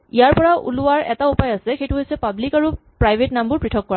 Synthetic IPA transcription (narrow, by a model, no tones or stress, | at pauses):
ijaɹpɔɹaʔṵlʊaɹɛ̰taupajasɛxejtʊɦojsɛpablikaɹupɹajbʱetnambʊɹpɹitʰɔkːɔɹa